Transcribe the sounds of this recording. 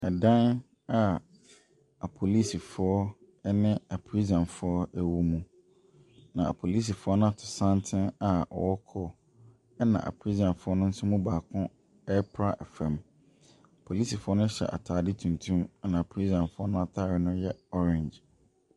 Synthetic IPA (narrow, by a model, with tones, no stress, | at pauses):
ɛ˨dã˦n | a˨ | a˨pʰo˨li˦si˨fʊ˨˦ɔ˦ | ɛ˦nɪ̃˦a˨pʰɾi˦zã˨nfʊ˨ɔ˦æ˨wu˨mũ˨ | nã˨a̰˨pʰo˨li˦s̬i˨fʊ˦ɔ˦nʊ̃˦a˨tʰʊ̥˨sã˦ntʰɪ̃˦na˨ɔ̰˨wɔ˦kʰɔ˦ | ɛ˦nã̰˨ʔa̰˨pʰɾi˦zã˨nfʊ˦ɔ˦nʊ̃˦n̩˦sʊ˦mũ˦baː˨kʰʊ̃˦ | ɛ˦pʰɾa˦ʔɛ˨fɛ̃˨m | a˨pʰo˨liː˦si˨fʊ˦ɔ˦nʊ̃˦ɕɛ̰˨ʔa̰˨tʰaː˨dɪ˦tʰũ˨n˨tʰũ˦ma˦nã˨a˨pʰɾi˦zã˨nfʊ˦ɔ˦nʊ̃˦a˨tʰaː˦˨ɾɪ˨nʊ̃˦jɛ˦ɔ˦ɾɛ̃˨ɲd͡ʒ